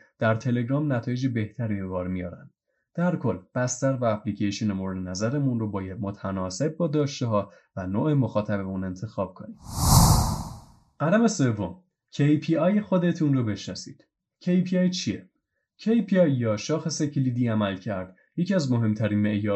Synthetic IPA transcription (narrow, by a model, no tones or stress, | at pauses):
d̪̥æɾt̪ʰe̞le̞ɡɾɒːmnæt̪ʰɒːjed͡ʒebe̞ht̪ʰæɾibe̞vɒːɾmijɒ̰ːɾæ̰nd̪̥ | d̪̥æɾkʰo̞lːb̥æst̪æɾvæːpʰlicʰeʃonemoɾed̪enæzæɾemunrobɒːjæd̪̚mot̪ʰænɒːse̞b̚bɒːd̪ɒːʃt̪eɦɒː | vænoːʔemo̞xɒːt̪ʰæbeune̞nt̪ʰe̞xɒːb̥̚kʰo̞niːd̪̥ | ɢ̥ælæmese̞vːom | cʰejpʰiɒːjxo̞d̪e̞t̪ʰunrobe̞ʃnɒsḭːd̪̥ | cʰejpʰiɒjt͡ʃʰie | cʰejpʰiɒjːɒːʃɒːxesecʰlid̪iːæmælcʰæɾd̪ | je̞ciæzmo̞ɦe̞mt̪ʰæɾiːnmeʔjɒː